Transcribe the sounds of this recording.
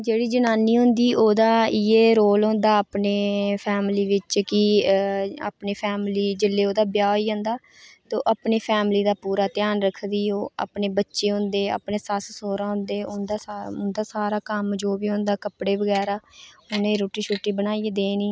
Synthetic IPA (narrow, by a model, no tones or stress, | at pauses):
d͡ʒeːɽiːd͡ʒənaːniːɦʊ̃nd̪iːʔoːd̪aːɪeːɾoːlɦõːnd̪aːəpneːpʰɛːmliːʋɪt͡ʃkɪ | a̰ːpneːpʰɛːmliːd͡ʒɪlːeːoːd̪aːbjaːoːiːɦõːnd̪aː | t̪oːʔaːpneːpʰɛːmliːd̪aːpuːɾaːt̪jaːnɾəkʰːd̪iːoːa̰ːpneːbətːʃeːɦʊ̃nd̪eːa̰ːpneːsassoːɾãːɦʊ̃nd̪eːʊnd̪aːʊnd̪aːsaːɾaːkəmd͡ʒoːbiːɦʊ̃nd̪aːkəpɽeːʋəɡɛːɾaːʊnẽːɾoːʈiːʃʰuːʈːiːbəñaːied̪eːniː